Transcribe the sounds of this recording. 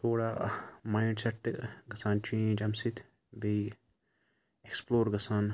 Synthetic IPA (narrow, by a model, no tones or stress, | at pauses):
t̪ʰoːɽaːmaiɳɖsɐʈt̪ɡɐsaːnt͡ʃĩːd͡ʒɐmsit̪ | bei | eksploːɾɡɐsaːn